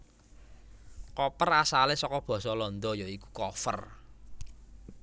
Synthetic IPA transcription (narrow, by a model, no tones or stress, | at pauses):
kɔpərasalesɔkɔb̥ɔ̤sɔlɔnd̪ɔjoiku̥kɔfə̰r